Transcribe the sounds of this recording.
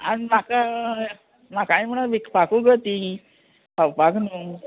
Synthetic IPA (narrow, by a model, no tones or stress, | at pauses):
animaka | makaĩm̤əɽaʋikpakuɡət̪i | pʰawpaknu